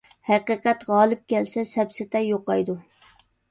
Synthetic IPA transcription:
hæqiːqɛt̪ʁɑːlˠɨp̚kʲɛlsɛsɛpsɪt̪ʰɛjoqɑjd̪u

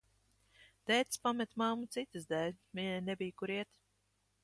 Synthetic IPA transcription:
d̪̥ɛːt̪spamɛt̪mamut̪sit̪ɨzd̪ɛlʲviɲɛjnɛbijkuɾiɛt̪

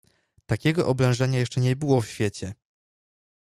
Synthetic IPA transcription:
t̪akʲɛɡɔʔɔblɛ̃w̃ʐɛɲajɛʂt͡ʂɛɲɛbɘwɔfɕfʲjet͡ɕɛ

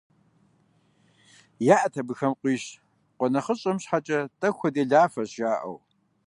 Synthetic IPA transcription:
jaːʔɐtʰɐbɨxɐmqʷiːɕ | qʷɔnɐχəɕʼɐmɕħat͡ʃʼɐtʼɐxʷʰɐdeːɮaːfɐɕʒaːʔɐ̰w

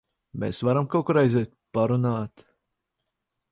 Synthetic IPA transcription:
mʲḛːsvaɾamkawkɔɾajzeːt̪̚paɾunaːt̪

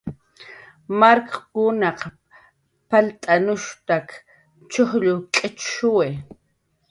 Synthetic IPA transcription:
maɾkkʊnɑq | palt̪ʼanʊʃt̪ak | t͡ʃoχʎʊkʼɪt͡ʃʃʊwe

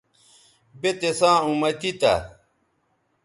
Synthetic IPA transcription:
bet̪esãːũmɐt̪it̪ɐ̰

